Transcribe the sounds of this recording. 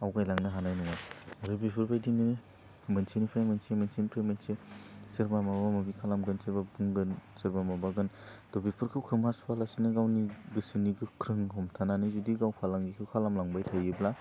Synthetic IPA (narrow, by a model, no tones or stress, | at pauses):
awɡajlaŋnaɦanajnuŋaaɾɯbipʰɯɾbajdini | mensinipʰajmansemensinpʰɾemensesiɾbamabamabikʰalamɡɯnsiɾbabuŋɡɯnsɯɾbamabaɡɯnd̥obipʰɯɾkʰɯwkʰɯmasalasinaɡawniɡɯsiniɡɯkʰɾɯŋhɔmtʰananizudiɡawpʰalaŋɡikʰɯwkʰalamlaŋbajtʰajɯbla